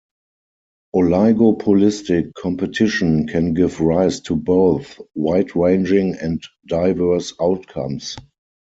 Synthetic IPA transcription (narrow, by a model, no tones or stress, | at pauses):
ʔɔlaɪɡopʰɔlɪstɪkʰːɔ̃mpətʰɪʃə̃nkʰɛ̃nɡɪvɹaɪstʰuboʊθwaɪtʰɹẽɪ̃nd͡ʒɪ̃ŋɛ̃nt | d̥aɪvɜ˞saʊtkʰã̰ms